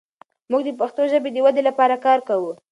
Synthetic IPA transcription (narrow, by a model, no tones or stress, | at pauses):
muɡd̪əpaxt̪oʒəbed̪əwad̪elapɑɾakɑɾkawu